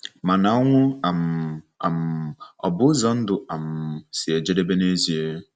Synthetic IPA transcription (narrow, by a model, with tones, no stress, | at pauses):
ma˨na˨ɔ˦ŋʷʊ˦a˨m˨a˨m̩˨ɔ̰˨bʊ˦zɔ˦n̩˦dʊ˨a˨m̩˨sɪ˨e˨d͡ʒe˦de˦be˦ne˦zi˨e˦